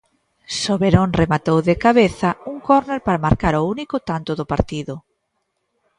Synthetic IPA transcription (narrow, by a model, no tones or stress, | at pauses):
soβeɾonremat̪owðɪkaβeθɐuŋkɔɾneɾpaɾamaɾkaɾounikʊt̪ant̪ʊðʊpaɾt̪iðʊ